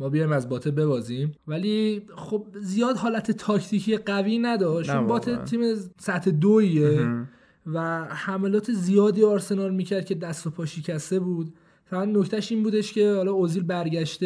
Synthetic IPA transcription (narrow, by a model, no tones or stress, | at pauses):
mɒːbijɒjmæzbɒːt̪ʰebe̞bɒːzimvæliχob̚zijɒːd̪ɦɒːlæt̪ʰe̞t̪ʰɒcʰt̪ʰicʰijeɢæviːnæd̪ɒʃt͡ʃonbɒːt̪ʰet̪ʰiːmesæt̪ʰed̪oie | væhæmelɒːt̪ʰe̞zijɒːd̪iːɒːɾsenɒːɾmiːcʰæɾd̪̚cʰʲe̞d̪æst̪opʰɒːʃicʰæst̪e̞buːd̪̚ | fæɾænd̪no̞ct̪ʰæʃiːnbuːd̪e̞ʃcʰe̞hɒlɒːoziːlbæɾɟæʃt̪e